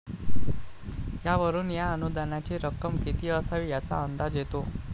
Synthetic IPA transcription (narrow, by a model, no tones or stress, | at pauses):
ɦjaʋəɾuːnjaənud̪anat͡ɕiːɾəkːəmkit̪iːəsaʋijat͡sa̰ənd̪ad͡zjet̪o